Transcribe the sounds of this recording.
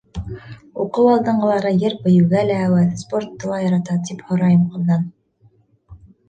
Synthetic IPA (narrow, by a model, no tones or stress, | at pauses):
uqɤwɑlˠd̪ɤɴɢɤ̆lˠɑɾɤjɘɾpɘ̆jɘ̆wɡælæːwæðspoɾt̪ːɤ̆lˠɑjɑɾɑt̪ɑt̪iphŏɾɑjɤmqɤ̆lɡɑn